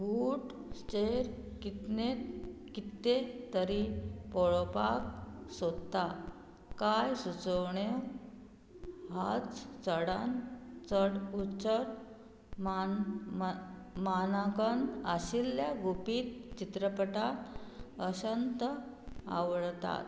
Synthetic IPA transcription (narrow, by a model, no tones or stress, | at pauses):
buʈ | st͡ɕeɾkit̪net̪kit̪ːet̪əɾipɔɭopak̚sod̪t̪a | kajsut͡səwɳew | ɦat͡st͡səɽant͡səɽut͡ɕəɾ | m | manakənəɕilːjaɡupiːt̪̚t͡ɕit̪ɾəpəʈat̪əɕənt̪əa̰ʋɭt̪a̰t̪